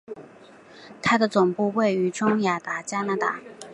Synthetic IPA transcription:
t̪ʰa˥d̪ə˨t͡sʊ˨˩ŋpu˥˧we˥˩ɪy˧˥ʈ͡ʂʊ˥ŋja˨˩t̪a˧˥t͡ɕja˥na˧˥t̪a̰˥˩

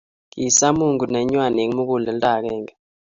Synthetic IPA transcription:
ki˨sa˦mu˦˨ŋɡu˨nɛ˨˦ɲwa˨ne˨ŋ˦mu˦k̬u˦˨lɛ˨ntʼa˨k̬ɛ˦˨ŋa˨

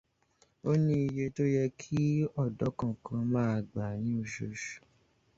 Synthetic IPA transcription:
o˦nĩ˧i˧je˧to˦jɛ˧kʰi˦ɔ˦˨dɔ˨˦kã˨kʰã˧mãː˦˧˨ɡ͡ba˨nĩ˨˦o˧˨ʃo˨˧ʃu̥˨

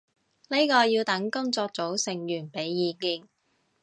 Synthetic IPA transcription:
le˥kɔː˧jiː˧wt̪ɐ˨˥ŋkʊ˥ŋt͡sɔː˧k̚t͡so˨˥wsɪ˨˩ŋjyː˨˩npe˨˥jːiː˧kiː˧ŋ

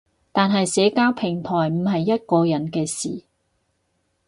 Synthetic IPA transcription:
t̪aː˨nɦɐ˨jsɛː˨˥kaː˥wpʰɪ˨˩ŋt̪ʰɔː˨˩jm̩˨˩ɦɐ˨jːɐ˥t̚kɔː˧jɐ˨˥nkɛː˧siː˨

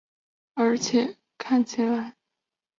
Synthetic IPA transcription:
ə˞˧˥t͡ɕʰjɛ˥˩ | kʰa˥˩nt͡ɕʰi˧˥la˧˥˦ɪ

